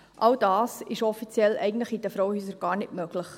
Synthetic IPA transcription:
ʔɑld̥ɑːsɪʃɔfit͡sjɛlʔɛ̰ɪɡən̩tləχid̥̪əfɾɔwəhyːsəɾɡ̥ɑːɾnɪtmøɡləχ

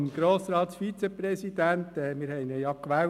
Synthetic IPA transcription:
mɡ̥ɾoːsɾɑːt̪sfit͡seprɛsid̪ænt̪ɛːmɪːɾhɛjnəjɑkʋæː

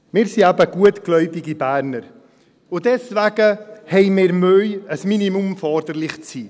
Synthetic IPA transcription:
mɪːɾsiæbəɡ̥uətɡ̥lœʏbiɡibæːɾnəɾ | ʊdɛsvæɡəhɛɪmɪːɾmøʏəsminimumfɔɾd̪əɾlɪχt͡siː

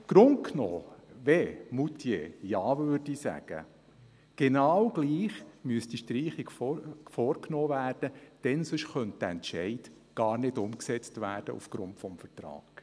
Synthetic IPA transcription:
ɡ̥ɾʊn̚knoːʋɛmut̪ʰjḛjɑːʋøːɾdisæ̰ɡ̥ə̰ | ɡ̥enɑwɡ̥liːχmyəsd̥iʃtɾiːχiɡffɔːɾknoːvæːrd̥əd̥ɛnsʏʃχœnt̚d̥əɛnʃɛɪd̥ | ɡ̥ɑːɾnɪdʊmksɛt͡stvæːɾd̥ə̰ʔṵfɡ̥ɾʊntfɔmfərtrɑ̰ːɡ̥

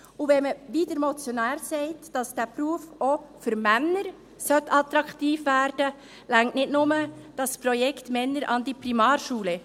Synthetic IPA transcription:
uʋɛməʋiːdəɾmɔt͡sjɔnæːɾsɛɪtd̥ɑsd̥æːpɾuəfofʏɾmænːəɾ | sœtɑtɾɑktiːfʋæːɾd̥ə | læŋtnɪdnʊməd̥ɑspɾɔjɛkʰtmɛnːəɾʔɑ̰ndipɾimɑːɾʃuːlə

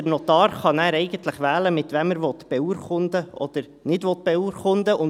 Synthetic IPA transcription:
nɔt̪ɑːɾχɑnæːɾɛɪɡənt̪ləχʋæːləmɪt̪vɛməɾvɔt̪b̥ɛuɾχʊnd̪əɔd̥̪əɾ | nɪdʋɔt̪̚b̥ɛuːɾχʊnd̪əʔʊn

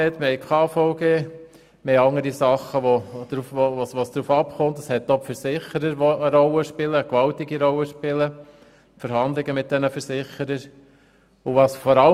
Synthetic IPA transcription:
ɛt̪məhɛjkʰɑːfɔʊɡeː | meɑŋəɾisɑχəʋɔd̪̥ɾufʋoʋɑsʋɑsd̥̪ɾuːfɑpχʊnt̪əshɛt̚ːɔpfəɾsɪχəɾəɾʋɔəɾɔlːəʃpɪləːkʋɑltiɡiɾɔləʃpɪlə | fəɾɦɑnd̪lɪɡəmɪt̪̚d̥̪ɛnəfəɾsɪχəɾəɾ | ʊʋɑsfɔɾɑ

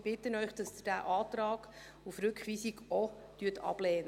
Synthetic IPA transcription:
b̥ɪtənœʏχd̥ɑsd̪d̥æʔɑːt̪ɾɑːɡ̥ | ufɾʉkχʋiːsiɡɔ | tyːətʰɑ̰b̥lɛːnə

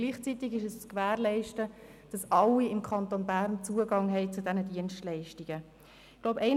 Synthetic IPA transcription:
ɡ̥liːχt͡sit̪ɪɡɪʃɛst͡skvæːɾlɛɪʃtə | d̥ɑsɑlːiɪmkʰɑntonbæɾnt͡suəɡɑŋɦɛɪt͡sudɛnədiənʃtlɛɪʃtiɡ̥ə | ɡ̥loʊpɛɪn

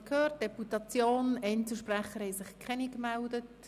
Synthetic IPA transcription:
kʰhøːrt̚d̥ɛputɑt͡sjoːnɛnt͡səʃprɛχəɾhɛɪsɪχkʰɛnikmældət

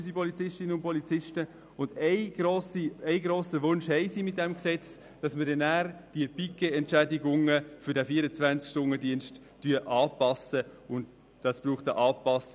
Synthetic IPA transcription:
sipʰɔlit͡sɪʃtɪnəʊnpɔlit͡sɪʃtə | ʊndɛɪɡ̥ɾoːsiɛɪɡɾoːsəʋʊnʃhɛɪsiːmɪt̚dɛmksɛt͡s | d̥ɑsmədɛnæːɾd̥iəb̥ikeɛntt͡ʃædiɡʊŋəfʏɾdɛfiːəɾət͡svænt͡skʃtʊnədiənstːyəʔɑːpɑsəʊnd | d̥ɑsb̥ɾuːχtəʔɑːpɑs

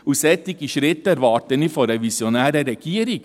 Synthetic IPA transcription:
usɛt̪ːɪkiʃɾɪt̪ːæɾʋɑːɾt̪ənifɔɾɛʋisjɔnæːɾəɾɛɡ̥iːɾɪk

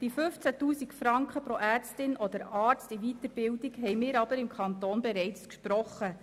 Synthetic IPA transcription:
d̥ifɵft͡sætuːsikfɾɑŋkχəpɾɔʔæːrt͡stɪnʔɔd̪əɾɑːɾt͡stivit̪əɾbɪldiɡɦɛjmɪːɾɑbəɾɪmkʰɑnt̪oːnbɛɾɛɪt͡skʃpɾɔχːə

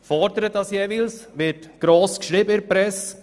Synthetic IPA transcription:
fɔɾd̪əɾət̪ɑsjɛvɪlsʋɪɾtɡ̥ɾoːskʃɾɪbəɪɾpɾɛs

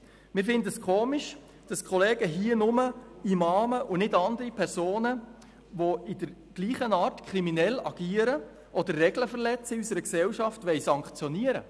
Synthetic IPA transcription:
mɪɾfɪndəəskʰoːmiʃ | d̥ɑskʰχɔleːɡ̥əɦiənʊməimɑːməʔʊnɪdɑnd̪əɾipʰɛɾsoːnə | ʋoɪdəɾ | ɡ̥liːχənɑːɾtkʰɾiminɛlɑɡ̥iːəɾə | ʔɔd̪ərːɛɡləfəɾlɛt͡səɪysəɾəksɛwʃɑftʋɛɪsɑŋkχt͡sjɔniəɾə̰

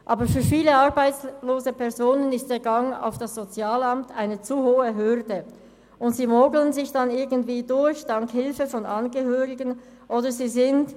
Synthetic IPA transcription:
ʔɑːbəfyːɐfiːləɑʁbaɪt͡sloːzəpɛɐzoːnənɪstd̥eːɐɡɑŋa̰ʊfd̥asz̥ot͡sjaːlɑmtʰaɪnət͡suhoːəɦʏʁdə | ʔʊntz̥iːmoːɡlənzɪçd̥ɑnɪɐɡən̩tv̥iːdʊɾçd̥ɑŋkhɪlfəfɔnɑnɡəhøːʁɪɡən | ʔoːdəziːzɪnd

